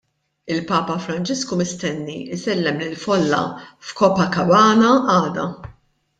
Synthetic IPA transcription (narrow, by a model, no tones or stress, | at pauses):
ɪlpɐːpɐfɾɐnt͡ʃɪskumɪst̪ɛnːisɛlːɛmlɪlfɔlːɐ̰fkɔːpɐkɐwɐːnɐɐːd̪ɐ